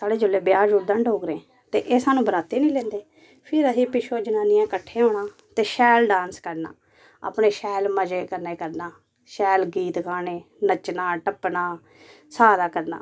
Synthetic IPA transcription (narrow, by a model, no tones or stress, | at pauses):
saːɽeːd͡ʒʊlːeːbɪjaːd͡ʒuːʈ̚d̪əɳɖɦoːɡɾẽː | t̪ḛːʔeːsaːnũːbənaːt̪eːnĩːlɛ̃ːnd̪eː | pʰɪɾəsiːpɪʃʰoːd͡ʒənaːnɪjãːkəʈʰːeːɦoːɳaː | t̪eːʃɛːlɖãːnskəɾna̰ː | a̰ːpɳeːʃɛːlməd͡ʒeːkəɾneːkəɾnaː | ʃɛːlɡiːt̪kaːneː | nət͡ʃnaːʈəpːnaː | saːɾaːkəɾna̰ː